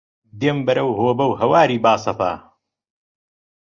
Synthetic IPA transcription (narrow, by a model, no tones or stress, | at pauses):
d̪eːmbɐɾɐwɦoːbɐwhɐwaːɾiːbaːsɐpa̰ː